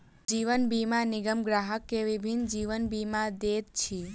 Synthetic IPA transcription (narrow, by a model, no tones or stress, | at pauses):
d͡ʒiʋənbimãnɪɡəmɡɾaɦəkːeʋibʱind͡ʒiʋənbimãd̪et̪̚t͡ʃʰi